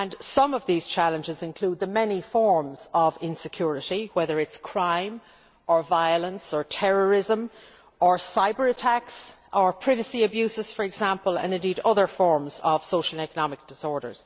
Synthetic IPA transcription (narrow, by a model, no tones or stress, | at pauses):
ə̃nsʌ̃mʌvðiːz̥t͡ʃʰalə̃nd͡ʒɪzɪ̃nkʰl̥uːd̪̚ðəmɛnifɔɹmz̥əvɪ̃nsɪkʰj̥ʊɹɪɾiwɛðə˞ɪtskʰɹ̥ãɪ̃m | ə˞vaɪələ̃nsə˞tʰɛɹəɹɪzə̃m | ə˞saɪbə˞ətʰaks | ʔə˞pʰɹ̥ɪvəsiəbjʉsɪz̥fə˞ɛɡz̥ãmpələ̰̃nɪ̃ndiːɾʌðə˞fɔɹmz̥əv̥soʊʃəl̩ə̃nɛkənɑmɪk̚d̥ɪsɔɹɾə̰˞z̥